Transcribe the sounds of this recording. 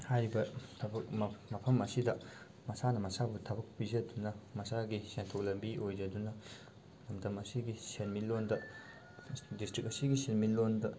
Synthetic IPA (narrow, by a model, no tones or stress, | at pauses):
hajɾibɐtʰɐbɐkmɐpʰɐmɐsidɐ | mɐsanɐmɐsabutʰɐbɐk̚bizɐdunɐmɐsaɡisentʰok̚lɐbiojd͡ʒɐdunɐ | nɐmdɐmɐsiɡisenmilondɐ | distɾik̚ɐsiɡisenmilondɐ